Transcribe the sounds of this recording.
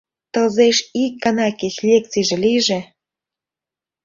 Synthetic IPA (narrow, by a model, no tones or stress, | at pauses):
t̪əlzeʃik̚ɡɑnɑket͡ɕlʲek̚t͡siʒĕliʒĕ